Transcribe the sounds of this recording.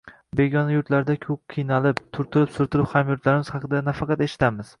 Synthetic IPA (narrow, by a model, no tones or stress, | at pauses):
be̞ɡʲɒnajʊɾt̪laɾd̪akʰɵp̚qʰɨjnalɪpt̪ʰʊɾt̪ʰʊlɪpsʊɾt̪ʰʊlɪphamjʊɾt̪laɾɪmɪz̥hɑqʰɨd̪anafɑqʰɑt̪e̞ʃɪ̥t̪amɪz̥